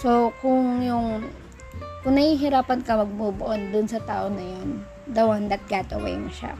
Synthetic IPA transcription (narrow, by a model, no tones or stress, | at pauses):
sokʊŋjʊŋ | kʊŋnɐhiːɦɪɾaːpɐnkɐmɐɡ̚bubʊʔond̪ʊnsɐt̪a̰ːʔonɐjon | d̪ɐwɐnd̪ɐt̪̚ɡat̪ɐwḛjmʊʃa̰